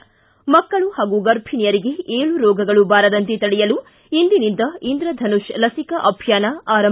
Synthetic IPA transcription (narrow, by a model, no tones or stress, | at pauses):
mɐkːɐɭuhaːɡuɡɐɾpʰinijɐɾiɡe̞eːɭuɾɔːɡɐɡɐɭubaːɾɐd̪ɐnt̪et̪ɐɭɛjɐlu | ind̪inind̪ɐind̪ɾɐd̪ʱɐnuʃlɐsikɐʔɐbʱjaːnɐaːɾɐ